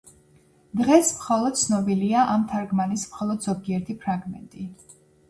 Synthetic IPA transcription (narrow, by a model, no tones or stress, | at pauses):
d̪ʁɛsmχɔlˠɔd̪̥̚t̪sʰnɔbiliaʔamt̪ʰaɾɡmanismχɔlˠɔd̪z̥ɔɡiɛɾt̪ʰipʰɾaɡmɛ̰nt̪ʼi